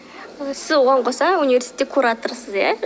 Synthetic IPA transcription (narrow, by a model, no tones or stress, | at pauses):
sɪzwoʁɑɴqʰosɑunivʲe̞ɾsi̥et̪ːekʰːuɾat̪əɾsəzja